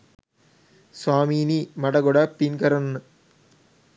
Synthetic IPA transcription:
swaːminimɐɽɐɡoɽɐpinkɐɾɐnːɨ

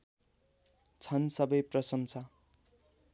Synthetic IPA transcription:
t͡sʰʌnsʌbʌjprʌsʌnsʰʌ

